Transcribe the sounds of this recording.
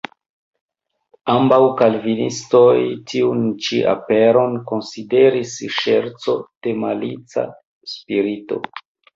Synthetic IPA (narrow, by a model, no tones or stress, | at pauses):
ambawkalvinisto̞jtʰiunt͡ʃiʔa̰pe̞ɾo̞nko̞nside̞ɾisʃe̞ɾt͡so̞d̥e̞malit͡sa̰ | spiɾito̞̰